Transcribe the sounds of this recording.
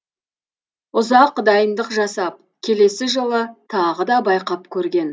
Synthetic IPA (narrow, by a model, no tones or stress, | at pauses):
ʊzɑqd̪ɑjənd̪əqʒɑsɑp̚ | kʲʰe̞le̞sɪʒolˠət̪ʰɑʁəd̪ɑbɑjqɑpkʲʰɵɾɡʲe̞n